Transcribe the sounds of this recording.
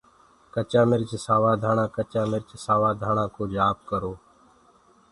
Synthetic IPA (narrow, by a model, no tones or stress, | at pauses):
kət͡ʃãːmɪɾt͡ʃsaːʋaːd̪ʱaːɳ̃ãːkət͡ʃaːmɪɾt͡ʃsaːʋaːd̪ʱaːɳãːkoːd͡ʒaːp̚kəɾoː